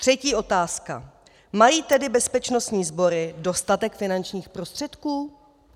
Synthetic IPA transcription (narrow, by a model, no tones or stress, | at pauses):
t̪r̝̥ɛciːʔo̞t̪aːska̰ | majiːt̪ɛdɪbɛspɛt͡ʃno̞st̪ɲiːzbo̞ɾɪdo̞st̪at̪ɛkfɪnant͡ʃɲiːxpɾo̞st̪r̥ɛt̪kuː